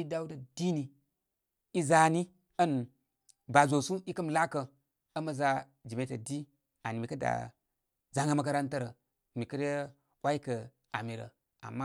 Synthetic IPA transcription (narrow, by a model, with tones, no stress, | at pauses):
i˦da˦u˦da˨di˦ni˨ | i˦za˦ni˦ | ə˦n | ba˨zo˨su˦i˦kə˦mla˦kə˨ | ɐ˦mɐ˦za˦ | d͡ʒi˨me˦tə˨di˦ | a˨ni˨mi˨kə˦da̰˨ | za˦ŋɡə˦mə˦ka˦ɾa˦ntə˦ɾə˨ | mi˨kə˦ɾə˦ | wa˦i˦kə˨ | a˨mi˨ɾə̰˨ | a̰˨mːa˦